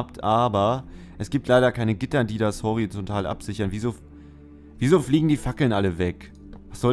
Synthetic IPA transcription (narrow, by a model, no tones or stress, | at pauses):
ptʰʔaːbɐʔɛsɡ̥iːp̚tʰlaɪɾɐkʰaɪnəɡɪtɐdiːdashɔʁ̞it͡sɔntʰaːlʔa̰pz̥ɪçɐnviːzoː | viːzoːfliːɡŋ̩diːfakl̩nʔaləvɛk | vasz̥ɔ